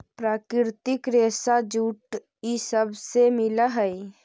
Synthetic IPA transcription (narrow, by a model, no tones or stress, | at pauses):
pɾaːkɾɪɾt̪ɪkɾeːsad͡ʒuːʈ | isəbsemɪlaɦəi